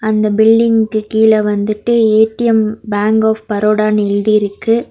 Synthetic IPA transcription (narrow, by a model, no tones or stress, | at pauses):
ɐnd̪ɐbɪlɖɪŋkɯkiːlɐʋɐnd̪ɯʈːɯeːʈːɪjɐmbaːŋɡaːfpɐɾoːɽaːnɐɪɻðiɪɾɯkːɯ